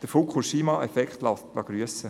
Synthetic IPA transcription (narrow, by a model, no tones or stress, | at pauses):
d̪̥əfokχuʃiːmɑɛfɛkχt̪lɑtlɑ̰ɡ̥ɾyəsə